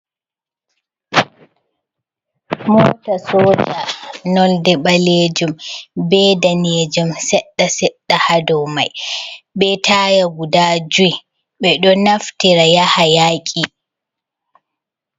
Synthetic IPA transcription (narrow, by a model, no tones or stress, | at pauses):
mɔːtasɔːd͡ʒanɔldɛɓaleːd͡ʒumbɛdaneːd͡ʒumsɛɗːasɛɗːahadɔma̰jɓɛtʰaːjaɡudad͡ʒuj | ɓɛɗɔnaftiɾajahajaːkʲʼi